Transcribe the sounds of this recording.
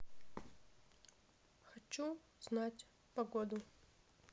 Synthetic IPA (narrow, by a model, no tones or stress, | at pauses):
xat͡ʃʰu | z̥natʲ | pɐɡod̪u